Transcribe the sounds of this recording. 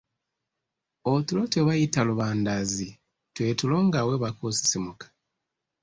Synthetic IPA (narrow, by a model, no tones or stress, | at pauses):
otulo̞teβajitaluβaːndazi | twe̞tulo̞ːŋɡaweβakusi̥simukḁ